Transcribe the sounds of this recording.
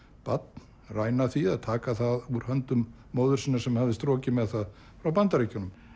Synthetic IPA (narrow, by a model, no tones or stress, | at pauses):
pat̪̚n | raːjnaθiaðt̪ʰaːkaθaðuɾ̥hœnt̪ʏmː | oːwðʏɾ̥sinːasɛmhavðɪst̪ɾɔːcɪmɛðθað | fɾawpant̪aɾecʏnʏm